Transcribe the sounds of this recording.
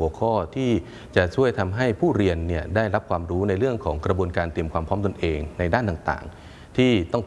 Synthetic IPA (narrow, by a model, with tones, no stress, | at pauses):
u˩˦əkʰɔː˥˩t̪ʰiː˥˩ | t͡ɕa˨˩t͡ɕʰu˥˩əjt̪ʰa˧mɦa˥˩jpʰuː˥˩ɾi˧ənːi˥˩ədaː˥˩jɾa˦˥p̚kʰwaː˧mɾuː˦˥na˧jɾɯ˥˩əŋkʰɔ̰ː˩˦ŋkɾa˧bu˧ənkaː˧nt̪i˧əmkʰwaː˧mpʰɔː˦˥mt̪o˧nʔeː˧ŋna˧jdaː˥˩nt̪aː˨˩ŋt̪a̰ː˨˩ŋ | t̪ʰiː˥˩t̪ɔ˥˩ŋ